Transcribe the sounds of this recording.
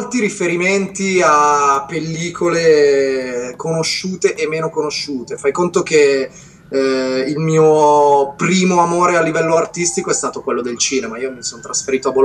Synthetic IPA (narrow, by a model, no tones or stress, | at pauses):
lt̪iɾifeɾiment̪iapːelːiːkʰole | konoʃːuːt̪eʔemːeːnokonoʃuːt̪efajkont̪ok̟e | ilmiːopɾiːmoamoːɾealːivɛlːoart̪ist̪ikoɛst̪aːt̪okwelːod̪elt͡ʃiːnemaiːomisont̪ɾasfeɾiːt̪oabo